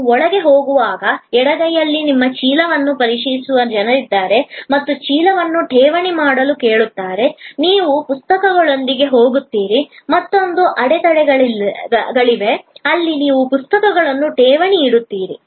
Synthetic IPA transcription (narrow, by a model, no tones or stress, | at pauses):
ɔɭɐɡe̞ɦo̞ːɡuʋaːɡɐɛɽɐɡɐjːɐlːinimːɐt͡ʃiːlɐʋɐnːupɐɾiʂijisuʋɐd͡ʒɐnɐɾid̪ːaːɾe̞mɐt̪ːut͡ʃiːlɐʋɐnːuʈeːʋɐɳimaːɽɐluke̞ːɭut̪ːaːɾe̞niːʋupust̪ɐkɐɡɐɭo̞nd̪iɡe̞ɦo̞ːɡut̪ːiːɾimɐt̪ːo̞nd̪uʔɐɽet̪ɐɽɛɡɐɭɡɐɭiʋe̞ɐlːiniːʋupust̪ɐkɐɡɐɭɐnːuʈeːʋɐɳiːɽut̪ːiːɾḭ